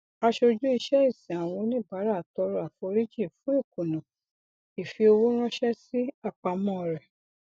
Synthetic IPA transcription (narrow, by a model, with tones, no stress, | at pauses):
a˧ʃo˧d͡ʒu˦i˧ʃɛ˦i˦˨sĩ˨a˨w̃ɔ̃˧nĩ˦˨ba˨˦ɾa˦˨tɔ˧ɾɔ˧˦a˨fɔ˧ɾi˦d͡ʒi˦˨fũ˨˦e˦˨ku˨nɔ̃˨ | i˨fi˧o˧wu˦ɾ̃ɔ̃˦ʃɛ˦si˦a˦˨k͡pa˧mɔ̃˦˨ɾɛ˨